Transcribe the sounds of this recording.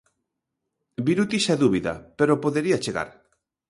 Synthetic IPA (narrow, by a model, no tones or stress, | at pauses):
biɾut̪iʃaðuβiða̰peɾopoðeɾiat͡ʃeɣa̰ɾ